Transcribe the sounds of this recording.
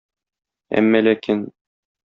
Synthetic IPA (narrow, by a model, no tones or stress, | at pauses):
æ̰mːælækin